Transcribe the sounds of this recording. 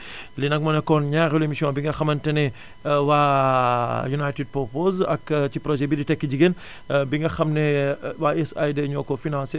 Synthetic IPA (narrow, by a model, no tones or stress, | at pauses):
linɐk̚mɐnɐkɔnɲaɾelemisiõbiŋɡɐxɐmɐntɐnɛ | wa | junajtid̚popozɐ̰kt͡ʃipɾɔʒɛbiditɛkːid͡ʒiɡen | biŋɡɐxɐmnewaesa̰jdɐɲokofinãːnse